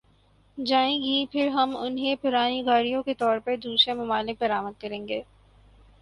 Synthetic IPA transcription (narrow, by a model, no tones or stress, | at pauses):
d͡ʒaːẽːɡipʰɪɾɦɐmʊ̰nɦẽpʊɾaːniɡaːɽijõket̪ɔːɾpɐɾd̪uːsɾemɐmaːlɪk̚bɐɾaːməd̪̚kɐɾẽːŋɡeː